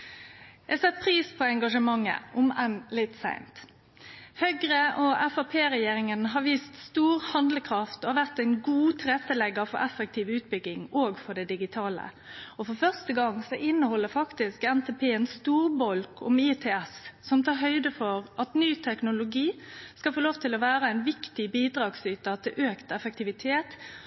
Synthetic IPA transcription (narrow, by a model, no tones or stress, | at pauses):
jæsɛt̪̚ːpʰɾiːspʰɔɛŋɡɑʂəmɑŋːə̰ʔʊmɛnlɪt̪sæ̰ɪmt̪ | hœɡɾəʔɔɛfɑpʰeːɾɛjeːɾɪŋənɦɑʋiːst̪st̪uːʁhɑnd̪ləkʰʁɑft̪ɔhɑʋæʁt̪æɪnɡuːt̪ʰɾɛt̪ːəlɛɡɑfɔɾɛfək̚t̪ʰiːʋʉːt̪̚bʏɡɪŋoːɡfɔɖɛd̪ɪɡɪt̪ʰɑːlə̰ | ɔfɔfœʁst̪əɡɑŋsɔʔɪnːəhɔlːəfɑkt̪ɪskɛnt̪ʰɛpʰeːɛnst̪uːɾbɔlkʰʊ̰mit̪ʰɛːɛssɔmt̪ʰɑːɾɦœʏd̪əfɔɾʔɑt̪nyːt̪ʰɛknʊlʊɡiːskɑfoːloːʋt̪ʰɪlɔʋæːɾəæɪnʋɪkt̪ɪbiːd̪ɾɑːɡsyːt̪ət̪ʰɪlʔøːkt̪ɛfək̚t̪ɪʋɪt̪ʰeːt̪